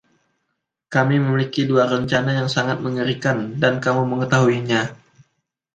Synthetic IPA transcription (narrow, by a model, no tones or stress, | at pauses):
kamiməmilikiduaɾəɲt͡ʃanajaŋsaŋat̪̚məŋəɾikandankamuməŋət̪aɦuiɲa